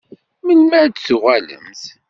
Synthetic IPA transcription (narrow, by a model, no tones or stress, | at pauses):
məlmæɾdsuʁælə̰mθ